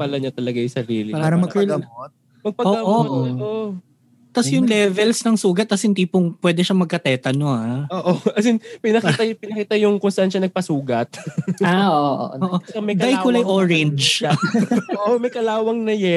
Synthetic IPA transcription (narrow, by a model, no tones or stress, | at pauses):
pɐlɐɲɐt̪ɐlɐɡajʊsɐɾiːlɪpaːɾaːɾɐmɐkɐlɐmot̪̚ | mɐɡ̚pɐoːaʔoo | t̪ɐsjʊŋlɛvɛlsnɐŋsuːɡɐt̪̚ːɐshɪnd̪iːpoŋpwɛd̪ɛʃɐmɐɡ̚kɐt̪ɛːt̪ɐnoaoːʔoʔɐsɪnpɪnɐkit̪ɐpɪnɐkiːt̪ɐjʊŋkonst̪anʃɐnɐɡ̚pɐsuːɡɐt̪̚aoʔo̰oːʔoɐɐmɛɡajkʊlɐjʔoɹɛnd͡ʒ | oʔomɐjkɐlaːwɐŋnɐjɛ